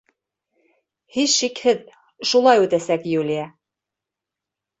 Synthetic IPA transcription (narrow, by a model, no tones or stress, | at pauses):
hiʃʃikhɘð | ʃulˠɑjʉt̪æsækjulʲija